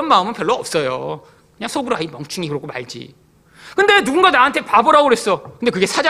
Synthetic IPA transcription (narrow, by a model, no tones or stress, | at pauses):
ʌnmaɯmɯnpjʌɭːoʌp̚s͈ʌjo̰ | kɯɲaŋsʰoɡɯɾoaimjʌŋt͡ɕʰuŋikɯɾʌk͈ʰoma̰ɭd͡ʑḭ | kɯnde̞nuɡunɡanaɦantʰepabʌɾaoɾwes͈ʌkɯndekɯɡe̞sʰad͡ʑa